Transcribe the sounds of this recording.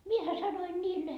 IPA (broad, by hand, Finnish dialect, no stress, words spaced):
miehæ sɑnoi niːlːe